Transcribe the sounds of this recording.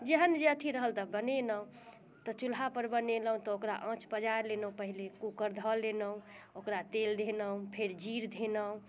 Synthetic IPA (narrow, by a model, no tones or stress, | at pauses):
d͡ʒeɦənd͡ʒeət̪ʰiɾəɦəlt̪əbənenəũ | t̪ɔt͡ʃulɦapəɾbəneləɦũt̪ɔokɾa̰ʔə̃t͡ʃpəd͡ʒaɾlenəɦũpəɦilekukəɾd̪ʱəlːenəũokɾat̪eld̪ʱenəũpʰeɾd͡ʒiɾd̪ʱenəũ